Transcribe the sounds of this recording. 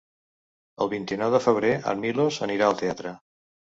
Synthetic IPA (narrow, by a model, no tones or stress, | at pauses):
əlˠβint̪inɔwðəfəβ̞ɾea̰milozəniɾaəlˠt̪eat̪ɾə